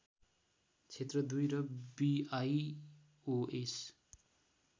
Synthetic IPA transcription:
t͡sʰet̪rʌd̪ujɾʌbiaj | oʔes

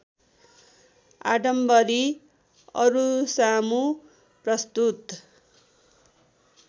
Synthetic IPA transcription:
a̰ɖʌmbʌɾi | ʌ̰ɾusamu | prʌst̪ut̪

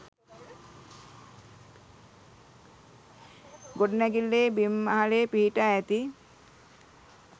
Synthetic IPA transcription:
ɡoɖnaɡilːebimːaɦalepiɦiʈaɛt̪i

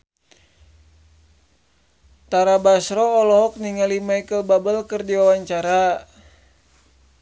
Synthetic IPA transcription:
t̪aɾabasɾɔːlɔɦɔk̚niŋalimaikəlbabəlkərdiwawaɲt͡ʃaɾa

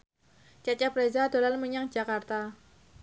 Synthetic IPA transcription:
t͡ʃat͡ʃapɾezad̪̥o̤lanməɲaŋ̥d͡ʒakart̪a

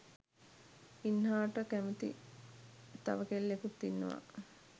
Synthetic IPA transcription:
inhaːʈəkæmut̪ḭ | t̪a̰ʋəkelːekut̪ːinːə̰ʋa̰

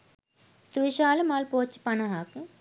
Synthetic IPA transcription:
suʋiʃaːlɐmaːlpoːt͡ɕːi̥pɐnɐɦaːkũ

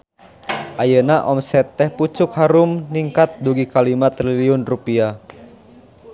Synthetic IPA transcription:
ʔajənaʔɔmsɛt̪ːɛhput͡ʃʊkhaɾʊmniŋkat̪̚duɡikalimat̪ɾiliʊnrupia

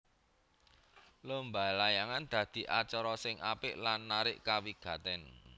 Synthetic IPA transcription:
ləmbalajaŋand̪̥ä̤d̪̥i̤ʔat͡ʃɔɾɔsɪŋʔapɪʔlanːaɾɪʔkawiɡ̥a̤t̪ɛn

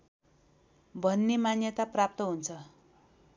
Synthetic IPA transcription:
bʱʌnːemanjʌt̪aprap̚t̪ʌɦunt͡sʰʌ

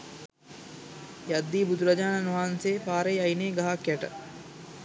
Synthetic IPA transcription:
jad̪ːiːbud̪uɾɐd͡ʒaːnanʋaːnseːpaːɾejajneːɡaɦakjæʈə

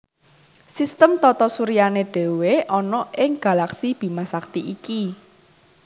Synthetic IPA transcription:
sist̪əmt̪ɔt̪ɔsuɾijaneɖ̥e̤weʔɔnɔʔɪŋɡ̥ä̤laksib̥i̤masak̚t̪iʔiki

